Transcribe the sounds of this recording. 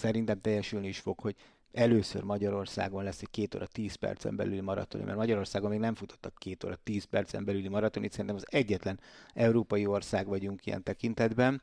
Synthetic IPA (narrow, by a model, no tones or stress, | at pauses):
sɛɾint̪ɛmt̪ɛjːɛʃylniiʃfo̞kho̞ɟ | ɛløːsø̰rmɒɟɒɾo̞rsa̰ːɡo̞nlɛsːɛc̚keːt̪o̰ːɾʔɒt̪iːspɛ̰rt̪sɛ̰mbɛ̰lylimɒɾɒ̰t̪onḭmʔɛ̰rmɒɟɒɾo̞rsaːɡomːeːɡnɛɱfut̪o̥t̪ːɒkːeːt̪o̰ːɾɒt̪iːspɛrt̪sɛ̰mbɛlylimɒɾɒt̪onit̪sɛɾint̪ɛmɒzɛɟːɛt̪lɛnɛuɾoːpɒjio̞rsaːɡʋɒɟuŋkijɛ̰nt̪ɛkint̪ɛd̪bɛn